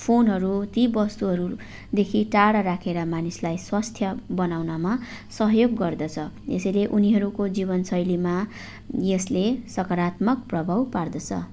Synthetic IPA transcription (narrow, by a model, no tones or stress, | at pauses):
pʰonɦʌɾut̪ibʌst̪uɦʌɾu | d̪ekʰiʈaɽʌɾakʰeɾʌmanislajswast̪ʰjʌbʌnawnama | sʌɦjoɡːʌrd̪ʌt͡sʰʌḛsʌjleʔuniɦʌɾukod͡zibʌnsʌjlima | jeslesʌkʌɾat̪mʌk̚prʌbʱawpard̪ʌt͡sʰʌ̰